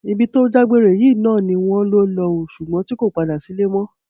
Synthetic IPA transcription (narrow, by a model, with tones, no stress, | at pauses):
ĩ˧bi˧˦to˦d͡ʒa˦ɡ͡be˦ɾe˨ji˦˨nãː˦˨nĩ˧w̃ɔ̃˧˦lo˦lɔ˧o˨ʃu˨ɡ͡bɔ̃˨˦ti˦ko˦˨k͡pa˧da˨si˨˦le˦mɔ̃˦